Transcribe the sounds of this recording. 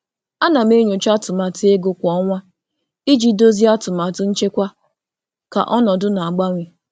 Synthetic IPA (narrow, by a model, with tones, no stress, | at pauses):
a˦na˨m˦e˦ɲo˨t͡ʃa˦tʊ˨ma˨tɪ˦e˦ɡʊ˦kʷɔ˦ŋʷa˦ | i˦d͡ʒi˦do˦zi˦a˦tʊ˨ma˨tʊ˦n̩˦t͡ʃe˦kʷa˦ | ka̰˨ʔɔ˦nɔ˨dʊ˦na˨a˨ɡ͡ba˦ŋʷe˨